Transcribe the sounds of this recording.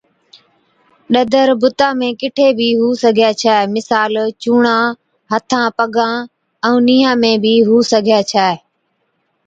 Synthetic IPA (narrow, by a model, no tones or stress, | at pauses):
ɗəd̪ʱəɾbʊt̪ãːmẽːkɪʈʰeːbʱiːɦuːsəɡʱjaːt͡ʃʰaːemɪsaːlt͡ʃuːɳãː | ɦət̪ʰãːpəɠãː | ɛ̃ːniːɦãːmẽːbiːɦuːsəɡʱijaːt͡ʃʰaːe